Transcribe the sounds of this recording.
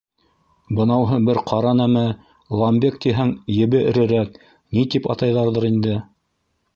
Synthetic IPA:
bɤ̆nɑwɦɤbɘɾqʰɑɾɑnæmæ | lˠɑmbʲek̚t̪iɦæŋjɘ̆βɘɘ̆ɾɘ̆ɾæk | nit̪ipɑ̰t̪ɑjðɑɾðɤɾind̪ɘ

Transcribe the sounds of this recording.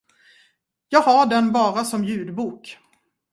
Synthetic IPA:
jɑːɡhaɖɛnbɑːɾasɔmjʉ̟ːd̪buːk

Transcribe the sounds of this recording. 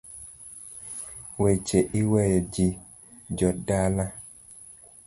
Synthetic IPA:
wet͡ʃeʔiwɛjɔd͡ʒi | d͡ʒɔdala

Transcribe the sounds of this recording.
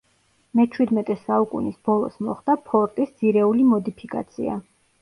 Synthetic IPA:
mɛt͡ʃʰwid̪mɛt̪ʼɛsaukʼṵnisbɔlˠɔ̰smɔχd̪̥apʰɔɾt̪ʼisd̪z̥iɾɛulimɔd̪ipʰikʼa̰t̪sʰḭa̰

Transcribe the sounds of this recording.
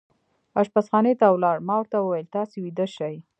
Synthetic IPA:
aʃpasxɑnet̪awlɑɽmɑwəɾt̪awəwajəlt̪ɑsewid̪əʃaj

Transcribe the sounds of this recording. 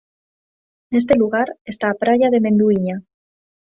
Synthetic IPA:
ene̞s̬t̪e̞luɣaɾest̪aːpɾaʝaðe̞mẽ̞nd̪uiɲa

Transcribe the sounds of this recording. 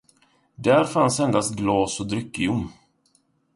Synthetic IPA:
d̪æɾfansɛnd̪ast̪̚ɡlɑːsɔd̪ɾʏkːɪʊm

